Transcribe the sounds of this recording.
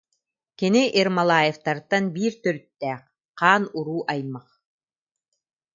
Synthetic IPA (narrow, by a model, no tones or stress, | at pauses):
kiniʔiɾmalˠaːjeft̪aɾt̪anbiːɾt̪œɾyt̪ːɛːq | qaːnuɾuːʔajmːaq